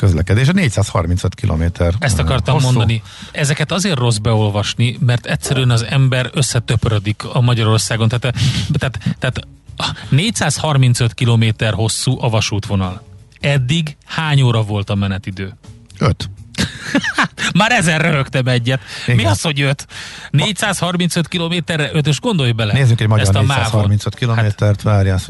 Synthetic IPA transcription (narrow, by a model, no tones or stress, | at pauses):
køzlɛ̰kɛd̪eːʃɛneːcsaːshɒ̰rminsøt̪kilʔo̰ːmeːt̪ʰɛrɛst̪ɒkɒrt̪ɒmːo̞nd̪ɒni | ɛzɛkɛt̪ɒzeːrtro̞zbɛo̞lvɒʃnimɛrt̪ɛcʲsːɛɾyɛnɒzɛmbɛɾøsːɛt̪øprød̪ikɒmɒɟɒɾo̞rsaːɡont̪aːt̪t̪aːt̪t̪ɛːt̪ | neːcsaːshɒrmint̪søt̪kiloːmeːt̪ɛrɦo̞sːuːʔɒvɒʃuːt̪ʋo̞nɒlɛd̪ːiɡhaːɲoːɾɒvo̞lt̪ɒmɛnɛt̪id̪øːøt̪ | at̪maːɾɛzɛrːøɦøkt̪ɛmɛɟːɛt̪miɒsho̞ɟjøt̪nːcsaːshɒrminsøt̪kiloːmeːt̪ɛrɛʔøt̪̬eːʒɡo̞nd̪o̞jbɛlɛneːzyŋkɛɟmɒɛst̪ɒmaːɔminsøt̪kiloameːɛrt̪ʋaːɾjas